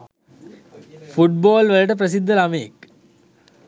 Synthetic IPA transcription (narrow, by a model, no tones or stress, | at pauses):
fuʈ̚baːlʋɐlɐʈɐp̬ɾɐs̬id̪ʱːɐlɐmeːk